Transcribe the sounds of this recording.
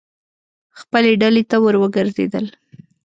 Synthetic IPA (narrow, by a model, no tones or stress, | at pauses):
xpəleɖalet̪awəɾwəɡəɾzḛd̪ə̰l